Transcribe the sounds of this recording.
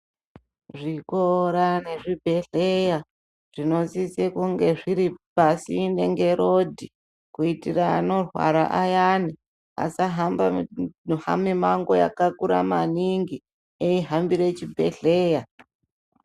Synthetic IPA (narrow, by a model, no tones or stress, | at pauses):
ʐikoɾane̞ʐibʱe̞ɬeja | ʐ̥ino̞zisekuŋɡe̞ʐiɾipasindeŋɡe̞ɾodʱi | kuitiraːno̞rwa̰ɾa̰ʔajani | a̰saɦama | ha̰mimaŋɡoja̰kakuɾa̰maniŋɡi | eiɦambiɾet͡ʃibʱe̞̰ɬeːja